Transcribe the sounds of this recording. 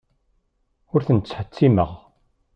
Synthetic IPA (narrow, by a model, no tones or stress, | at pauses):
ʊɾθənt͡sːħət͡sːiməʁ